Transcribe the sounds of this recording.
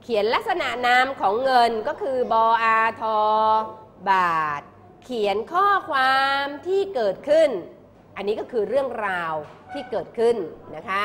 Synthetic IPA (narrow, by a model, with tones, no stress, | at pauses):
kʰi˨˩˦ənla˦˥k̚sa˧na˨˩ʔnaː˦˥mkʰɔː˩˦ŋːɤ˧nkɔː˥˩kʰɯː˧bɔː˧ʔaː˧t̪ʰɔː˧ | baː˨˩t̪̚ | kʰi˩˦ənkʰɔː˥˩kʰwaː˧mt̪ʰiː˥˩kɤː˨˩t̪̚kʰɯ˥˩n | ʔa˧nːiː˦˥kɔː˥˩kʰɯː˧ɾɯ˥˩əŋɾaː˧wt̪ʰiː˥˩kɤː˨˩t̪̚kʰɯ˥˩nna˦˥kʰa˦˥